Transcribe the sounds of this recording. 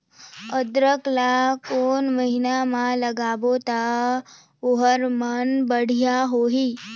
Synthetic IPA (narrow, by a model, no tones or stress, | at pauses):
əd̪ɾəklakonməɦinamãləɡaːbot̪a | ʊɦəɾmənbəɽ̤ijaɦoɦiː